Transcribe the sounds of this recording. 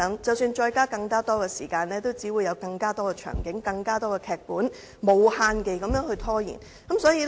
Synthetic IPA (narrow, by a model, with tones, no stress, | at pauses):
ŋt͡sɐ˨wsyː˧nt͡ʃɔː˧jkaː˥kɐ˧ŋkaː˥t̪ɔː˥kɛː˧sḭː˨˩kaː˧nlɛː˥t̪o˥wt͡siː˨˥wuː˨˧jɐ˨˧wkɐ˧ŋkaː˥t̪ɔː˥kɛː˧t͡ʃʰœ̰ː˨˩ŋkɪ˨˥ŋkɐ˧ŋkaː˥t̪ɔː˥kɛː˧kʰɛː˨˧k̚puː˨˥n | mo˨˧whaː˧nke˨jkɐ˨˧mjœː˨˧˥ŋhɵ˧ɥt̪ʰɔː˥jḭ˨˩n | kɐ˨˥msɔː˨˥jiː˧